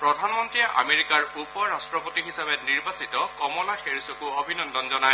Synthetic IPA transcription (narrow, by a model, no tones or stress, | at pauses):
pɹɔdʱanmɔntɹijɛʔa̰meɹikaɹupɔɹastɹɔpotiɦisabɛniɹbasitɔkɔmɔlaxeɹisɔkuobʱinɔndɔnzɔnaj